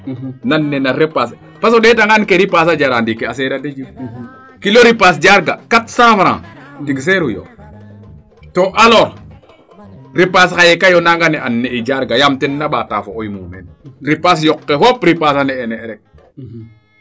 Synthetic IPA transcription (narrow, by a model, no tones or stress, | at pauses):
nanːenaɾepas̬ | pas̬oɗetaŋɡankeɾipas̬ad͡ʒaɾandikeaseɾaded͡ʒi | kiloɾipas̬d͡ʒaɾɡakatsãːfɾã̰ːtiɡs̬eɾujo̰ | toʔaloːɾ | ɾipas̬kajekajonaŋɡaneʔanːeid͡ʒaɾɡajamtenːaɓata̰foojmṵːmḛnɾipas̬jokːefopɾipasanɛeneɾɛk̚